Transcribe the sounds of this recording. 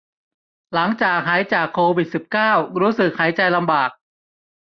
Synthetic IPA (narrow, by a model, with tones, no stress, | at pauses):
la˩˦ŋt͡ɕaː˨˩k̚ɦaː˩˦jt͡ɕaː˨˩kʰːoː˧wi˨˩t̪̚si˨˩p̚kaː˥˩wɾuː˦˥sɯ˨˩k̚haː˩˦jt͡ɕa˧jla˧mbaː˨˩k̚